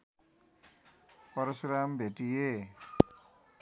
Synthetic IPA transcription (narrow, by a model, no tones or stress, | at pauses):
pʌɾʌsɾambʱeʈije